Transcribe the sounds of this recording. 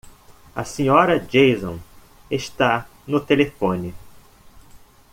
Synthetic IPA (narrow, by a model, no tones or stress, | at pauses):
ɐ̰sĩɲɔɾɐd͡ʒejzõ̰ | eʃt̪a | nʊt̪elefõnɪ